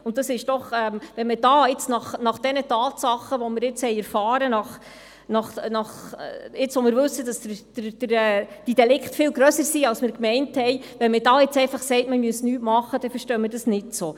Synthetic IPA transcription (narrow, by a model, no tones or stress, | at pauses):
ʊnt̚dɑsɪʃd̥ɔχɛmʋɛnməd̥ɑːɪt͡snɑχnɑχd̥ɛnətɑːtsɑχːəʋɔmɪɾɪt͡shɛjæɾfɑːɾənɑχ | nɑχnɑχɪt͡sʋɔmɪːɾʋɵsːədɑsd̥əd̥əɾɛːd̥id̥ɛlɪkχtfɪːlɡɾœsəɾsiːɑlsmɪːɾkmɛɪnthɛɪʋɛnmədɑːɪt͡sɛɪfɑχsɛɪtməmyəsnyːtmɑχːəd̥ɛfəɾʃtœːmɪɾdɑsnɪtsoː